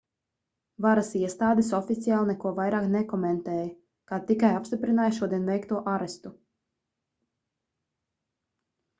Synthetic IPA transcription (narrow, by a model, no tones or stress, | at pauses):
vaɾasiɛst̪aːd̪isɔfit̪sijaːlˠnɛkuɔvajɾaːknɛkɔmɛnt̪ɛːjɐ | kaːt̪ikajapst̪ipɾinaːjʃuɔd̪iɛnvɛjkt̪uɔʔaɾɛst̪u